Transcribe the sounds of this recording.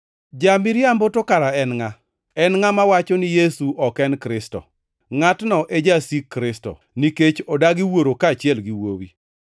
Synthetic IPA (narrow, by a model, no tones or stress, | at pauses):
d͡ʒamɪɾjambotokaɾaɛnŋa | ɛnŋamawat͡ʃɔnɪjesuʔɔkɛnkɾɪstɔ̰ | ŋatnɔʔed͡ʒasikːɾɪstɔ̰ | niket͡ʃɔdaɡɪwoɾokaːt͡ʃɪɛlɡiwowḭ